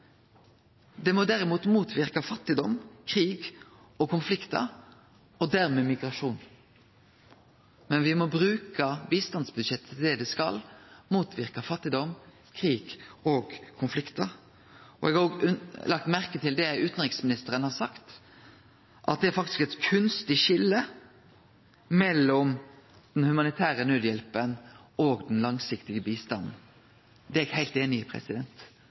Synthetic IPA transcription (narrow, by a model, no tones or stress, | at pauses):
d̪ɛmɔd̪æɾɪmuːt̪muːt̪ʰʋɪɾkɑfɑt̪ːɪd̪ɔmkʰɾiːɡ | ɔkʰʊnflɪkt̪ə̰ | ɔd̪æʁmɛmɪɡɾɑʂuːn | mɛnʋɪmɔbɾʉːkəʋiːst̪ɑnsbʉd̪ʃɛt̪ːət̪ʰld̪ɛːd̪ɛskɑ̰lmuːt̪ʰʋɪʁkɑfɑt̪ːɪd̪ɔm | kʰʁiːɡɔːɡkʰʊnflɪkt̪əɾ | ɔ̰ɛɡɑoːɡʉlɑk̚t̪mæʁkət̪ʰɪld̪ɛʉːt̪n̩ʁɪksmɪnɪst̪əɾənhɑɾsɑkt̪ | ʔɑ̰t̪̚d̪ɛæɾfɑkt̪ɪ̥skɛt̪kʰʉnst̪ɪʃɪlːə | mɛlːɔmd̪̥ɛnhʉmɑnɪt̪ʰæːɾənøːd̪jɛlpənoːɡd̪ɛnlɑŋsɪkt̪ɪɡəbiːst̪ɑnn̩ | d̪ɛɛɡhæɪt̪eːnɪpʰɾɛ̰sɪd̪ɛnt̪